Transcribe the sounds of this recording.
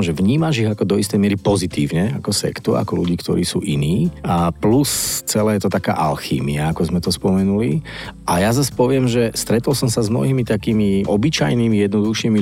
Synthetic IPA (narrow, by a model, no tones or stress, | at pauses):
mʒɛʋɲiːmaʒiɣakɔd̪ɔist̪ɛjmɪɛɾipɔzit̪ḭːʊɲɛakɔsɛ̰kt̪ua̰kɔlṵɟiːkt̪ɔ̰ɾḭːsṵːʔiniːplust͡sɛlɛːjɛt̪ɔt̪aka̰ːʔa̰lxḭːmiaakɔzmɛt̪ɔspɔmɛnuli | ʔajazaspɔʋɪɛmʒɛst̪ɾɛt̪ɔlsɔmsazmnɔ̰ɦimit̪akiːmiʔɔbit͡ʃajnimijɛd̪nɔd̪uxʃiːmi